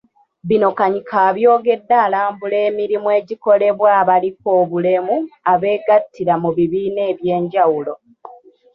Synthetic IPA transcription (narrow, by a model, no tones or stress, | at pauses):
βino̞kaɲikʰaːβjo̞ːɡe̞dːaːlaːmbule̞ːmiɾimwe̞ːɟiko̞le̞βwaːβalik̚o̞ːβule̞muaβe̞ːɡatːiɾamuβiβiːne̞ːβje̞ːɲɟawulo̞